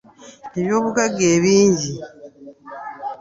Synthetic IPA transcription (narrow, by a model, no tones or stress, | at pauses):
neβjo̞ːβuɡaɡeːβiːɲɟi